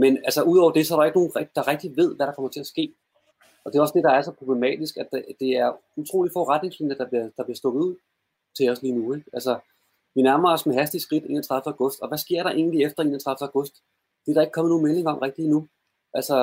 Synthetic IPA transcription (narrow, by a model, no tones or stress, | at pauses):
menælsəʔuð̞̰ˠɒ̰ʊ̰ɐd̥e̝sɒ̽æɐɾɑe̝ɡ̥no̝ːnʁɛ̥d̥ɑ̈ʁɛɡ̥̚d̥iʋe̝ð̰ˠʋæɾɑkʰɒmɐt͡sʰe̝læsɡ̥e̝̰ː | ʔɒ̽d̥e̝ɒ̽sd̥e̝d̥ɑ̈æɐsɒ̽pʰʁoble̝mɛ̰ːd̥isɡ̥æ̥d̥e̝æɐut͡sʰʁo̝̰ːli̥fɒʁad̥ne̝ŋslinəd̥ɑ̈b̥liɐd̥ɑb̥liɐsd̥ɔ̽ːdð̩ˠuð̰ˠ | t͡sʰe̝ɒ̽sliːnueɡ̥ælsə | ʋinæɐmɐɒ̽smeɦæsd̥isɡ̥ʁid̥e̝næt͡sʰʁɑ̈ðˠfəæʊɡɔ̽sd̥ɒ̽ʋæsɡ̥e̝ɐ̰ɾ̥ɑ̈ʔe̝̰ːn̩liefd̥ɐe̝næt͡sʰʁɑ̈fd̥̩æʊɡ̥ɔ̽sd̥ | d̥e̝æɐɾ̥ɑ̈e̝ɡ̥̚kʰɒ̽m̰̩ˠo̝ːnmele̝ŋɐɒ̽m̰ʁeɡ̥̚d̥iːnu | ʔælsə